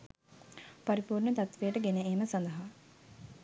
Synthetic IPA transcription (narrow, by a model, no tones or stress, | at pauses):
paɾipuːrnət̪at̪ʋejəʈəɡeneːməsand̪əɦa